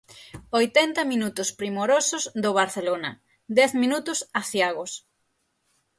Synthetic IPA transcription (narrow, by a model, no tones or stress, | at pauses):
ojt̪ɛnt̪ɐminut̪ʊspɾimoɾosʊzd̪oβ̞aɾθelonɐ̰ | d̪ɛθminut̪ʊsaθjaɣos